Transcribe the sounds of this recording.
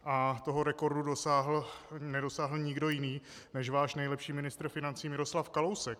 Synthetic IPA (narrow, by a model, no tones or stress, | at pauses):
ʔat̪o̞ɦo̞ɾɛko̞ɾdudosaɦl̩nɛdo̞saːɦl̩ɲɪɡdo̞jɪniː | nɛʃvaːʃnɛjlɛpʃiːmɪnɪst̪ɾfɪnant͡siːmɪɾo̞slafkalo̞wsɛk̚